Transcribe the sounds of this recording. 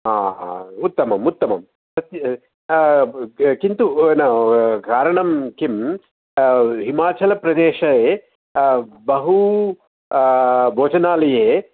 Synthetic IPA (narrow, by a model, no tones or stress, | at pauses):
aːa̰ːut̪ːɐmɐmut̪ːɐmɐ̰m | sɐt̪jɐ | kint̪unɐkaːɾɐɳɐmkim | ɦimaːt͡ʃɐlɐpɾɐd̪eːʃɐeː | bɐɦu | bʱoːd͡ʒɐnaːlɐjeː